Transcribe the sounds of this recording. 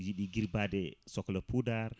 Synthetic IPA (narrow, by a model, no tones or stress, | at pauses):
jiɗiɡiɾbadɛsɔkləpudaɾ